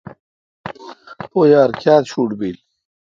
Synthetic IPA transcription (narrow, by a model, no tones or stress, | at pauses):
poːjaːɾkjaːt̪ɕuːʈbiːl